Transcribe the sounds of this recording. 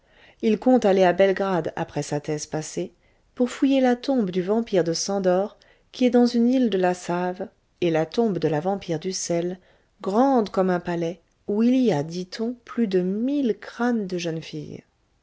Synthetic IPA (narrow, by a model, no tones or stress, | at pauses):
ilkɔ̃t̪aleabɛlɡʁad̪a̰pχɛsat̪ɛzpase | puʁfujelat̪ɔ̃bd̪yvɑ̃piʁd̪əsɑ̃d̪ɔʁ | kʲiɛd̪ɑ̃zynild̪əlasav | elat̪ɔ̃bd̪əlavɑ̃piʁd̪ysɛl | ɡʁɑ̃d̪kɔmɛ̃palɛ | uiliad̪it̪ʰɔ̃plyd̪əmilkχand̪əʒənfḭj